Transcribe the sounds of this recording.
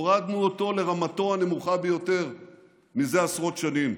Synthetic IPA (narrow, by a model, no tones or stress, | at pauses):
oʁadnuot̪o̞le̞ʁamat̪o̞ane̞muχabejo̞t̪e̞ʁ | mize̞asʁo̞t̪ʃanim